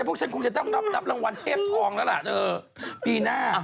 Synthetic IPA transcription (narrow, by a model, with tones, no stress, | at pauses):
pu˥˩ək̚t͡ɕʰa˧nkŋi˨˩t̪a˥˩˨a˦˥˩p̚d̪a˨˦˩p̚la˧ŋwa˧nt̪ʰeː˥˩p̚kɔː˧ŋlɛː˧˦˥la̰˧˩ʔt̪əː˧˩ | piː˧naː˧˩